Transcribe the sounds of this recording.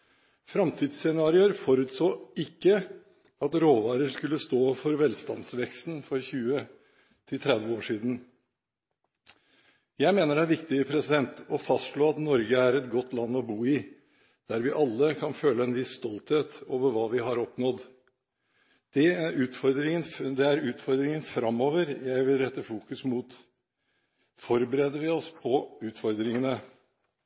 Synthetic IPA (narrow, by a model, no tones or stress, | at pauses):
fɾɑmt̪ʰiːd̪sɛnɑːɾɪəɾfɔɾʉt̪soːɪkːə | ɑt̪ɾoːʋɑːɾəɾskʉlːəst̪oːfɔɾʋɛlst̪ɑ̰nsʋɛkst̪n̩fɔɾçʉːə | t̪ʰɪlt̪ʰɾɛd̪ʋəoːʂiːd̪n̩ | jæɪmeːnəɾæɾʋɪkt̪ɪəpʰɾɛsɪd̪ɛnt̪ɔfɑst̪ʂɭoːɑt̪nɔɾɡəæɾɛt̪ɡɔt̪ːlɑnːɔbuːɪ | d̪̥æɾʋɪʔɑlːəkʰɑnføːləɛnʋɪsːt̪ɔlt̪heːt̪oːʋəɾʋɑːʋɪɦɑɾɔpnɔd̪ | d̪̥ɛʉːt̪fɔɾd̪ɾɪŋənd̪ɛæɾʉːt̪fɔɾd̪ɾɪŋənfɾɑmoːʋəɾjæɪʋɪlɾɛt̪ːəfuːkʉsmuːt̪ | fɔɾbəɾeːd̪əɾʋɪɔspʰɔʉːt̪fɔɾd̪ɾɪŋənə